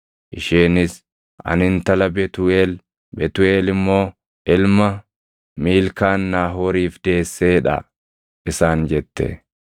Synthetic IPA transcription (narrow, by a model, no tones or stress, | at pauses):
ʔɪʃeːnɪs | ɐ̰nɪnt̪ɐlɐbɛt̪ʊeːl | bɛt̪ʊeːlɪmːo̞ː | ʔɪlmɐ | miːlkaːnːaːɦoːɾiːfd̪̥e̞ːsːe̞ːᶑɐ̰ | ʔɪsaːnd͡ʒɛt̪ːɛ̰